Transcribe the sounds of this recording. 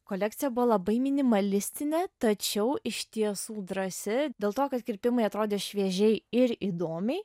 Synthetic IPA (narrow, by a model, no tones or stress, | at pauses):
koːlʲɛk̚t̪sʲɪjɛbʊʋoːlˠɐbɐɪmʲɪnʲɪmɐlʲɪsʲt̪ʲɪnʲɛt̪ɐt͡ʃʲɛʊɪʃʲt̪ʲiɛsuːd̪ɾɐsʲɪd̪ʲeːlˠt̪oːkɐt̪kʲɾʲpʲɪmɐɪɐt̪ɾoːd̪ʲeːʃʲʋʲiɛʒʲɛɪɪɾiːd̪oːmʲɛɪ